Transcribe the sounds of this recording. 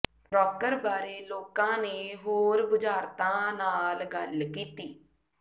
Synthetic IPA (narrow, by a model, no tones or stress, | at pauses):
ɾɔːkəɾbaːɾeːloːkãːneːɦoːɾbʊd͡ʒaːɾt̪ãːnaːlɡəlkiːt̪iː